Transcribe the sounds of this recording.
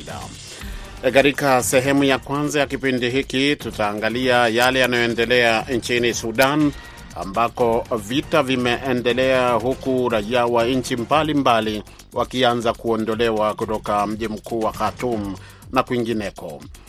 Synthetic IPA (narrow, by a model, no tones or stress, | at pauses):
la̰ | kaɾikasɛɦɛmujakwanzajakipindiɦikitutaːŋɡaliajalɛjanajɔɛndɛlɛant͡ʃinisuɗan | a̰mbakɔvitavimɛʔɛndɛlɛaɦukuɾaiawaɲ̩t͡ʃimbalimbali | wʔakianzakuɔndɔlɛwakutɔkam̩ʄim̩kuːwakatum̩ | nakwiŋɡinɛkɔ